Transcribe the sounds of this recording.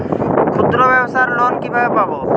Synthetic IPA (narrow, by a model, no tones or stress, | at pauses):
kʰud̪ɾɔbɛbɔsaɾlɔnkibaepabo